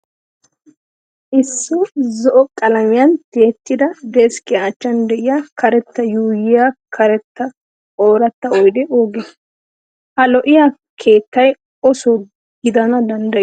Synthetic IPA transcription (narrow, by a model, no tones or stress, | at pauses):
ʔɪsːɔzɔʔɔkʼɐlɐmɪjɐnt̪eːt̪ːɪd̪ɐd̪eskɪjaːt͡ʃːɐnd̪ɛʔɪjakɐɾɛt̪ːɐjuːjɪjakʰɐɾɛt̪ːɐ | oːɾɐt̪ːɐɔjd̪ɛʔoːɡɛ | ʔɐlɔʔɪja | kʰe̞ːt̪ːɐj | ɔsɔ | ɡɪd̪ɐnɐd̪ɐnd̪ɐ